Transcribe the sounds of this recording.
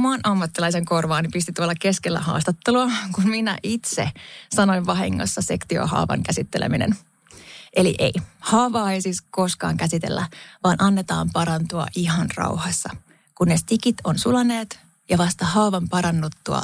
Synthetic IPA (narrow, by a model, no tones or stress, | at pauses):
mɑːnʔɑmːɑt̪ːilɑis̬eŋko̞rʋɑːnipist̪it̪uolːɑke̞skelːæ̰hɑ̰ːst̪ɑt̪ːeluɑkunminæ̰ʔit̪sḛsɑno̞iʋʋɑɦḭŋːo̰sːɑse̞kt̪io̰hɑ̰ːʋɑ̰ŋkæsit̪ːelḛminḛn | ʔe̞lḭʔḛihɑːʋɑːe̞jsiːsko̞skɑ̰ːŋkæsit̪e̞̰lːæ̰ʋɑːnʔɑnːet̪ɑ̰ːmpɑɾɑnt̪uɑ̰ʔiɦɑnrɑ̰uwhɑsːɑ | kunːest̪ikit̪ʰo̞nsulɑneːt̪ | jɑʋɑst̪ɑhɑːʋɑmpɑɾɑnːut̪ːuɑ̰